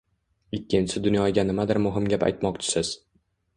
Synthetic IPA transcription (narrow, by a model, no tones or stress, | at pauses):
ɪkʲʰːɪnsɪd̪ʊnjɒɡʲanɪmad̪ɪɾmʊɦɪmɡʲapa̰jt̪mɒq̚t͡ʃʰɪ̥sɪz̥